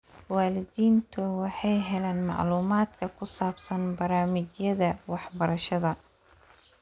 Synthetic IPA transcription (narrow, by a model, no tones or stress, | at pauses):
waːlɪðiːnt̪ʰʊwɑħɑjɦɛlaːnmɑ̰ʕluːmaːd̪kʰɐkʰʊsaːbsɐnbɐɾaːmɪt͡ʃjɐðɐwɑħbɐɾɐʃɐðɐ